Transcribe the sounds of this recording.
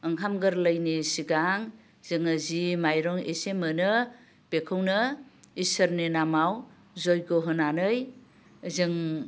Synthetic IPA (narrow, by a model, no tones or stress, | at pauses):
ɯŋkʰamɡɯɾləjnisiɡaŋ | zɯŋazimajɾɔŋesemɯnɯ | pekʰɯwnɯisəɾnenamaw | zɔjɡɔɦɯnanɯj | zɯŋ